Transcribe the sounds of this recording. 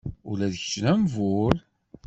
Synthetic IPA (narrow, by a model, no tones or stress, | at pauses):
ʊlæðəç̥snæmvʊl